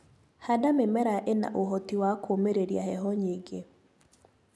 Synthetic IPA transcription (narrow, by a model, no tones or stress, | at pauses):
hadamemɛɾaʔena̰ʔoɦotiwakomeɾeɾja̰ɦɛɦɔɲiɡe